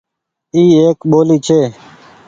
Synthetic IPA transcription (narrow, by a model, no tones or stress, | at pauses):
iːeːkɓoːliːt͡ʃʰeː